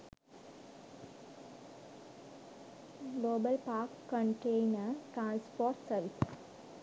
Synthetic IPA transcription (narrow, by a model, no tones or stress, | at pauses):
ɡloːbɐlpaːɾkːə̃ɳʈeɪnɐʈɾãːnspoːɾʈsɐʋis